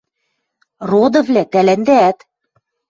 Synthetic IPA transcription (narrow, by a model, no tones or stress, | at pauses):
rod̪ɤ̆vlæt̪ælænd̪æːt̪